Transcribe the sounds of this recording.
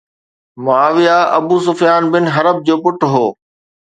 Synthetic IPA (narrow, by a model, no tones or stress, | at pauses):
mʊaːʋijaɐbuːs̬ʊfijaːnbɪnɦɐɾəb̚d͡ʑoːpʊʈɦoː